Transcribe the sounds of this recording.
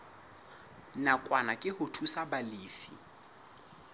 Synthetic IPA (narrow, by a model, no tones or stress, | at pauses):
nakʼwanakʼɪhʊtʰusabaleːfḭ